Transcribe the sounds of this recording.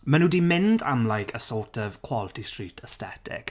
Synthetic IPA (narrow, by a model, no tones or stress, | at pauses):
mənuːdiːmɪnda̰mlˠajkʰəsɔˑtʰɔvkʰw̥ɔlˠətistritʰəstɛ̰tʰɪ̰k